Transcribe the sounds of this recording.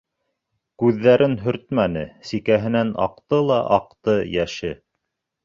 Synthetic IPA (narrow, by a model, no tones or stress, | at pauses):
kʉðːæɾɘnɦɵ̆ɾt̪mænɘsikæɦɘ̆nænɑ̰q̚t̪ɤlˠɑʔɑq̚t̪ɤjæʃɘ